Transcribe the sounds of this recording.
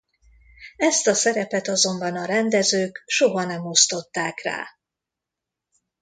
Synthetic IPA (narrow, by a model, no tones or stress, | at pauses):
ɛst̪ɒsɛɾɛpɛt̪ɒzo̞mbɒnɒɾɛnd̪ɛzøːkʃo̞ɦɒnɛmo̞st̪o̞t̪ːaːkra̰ː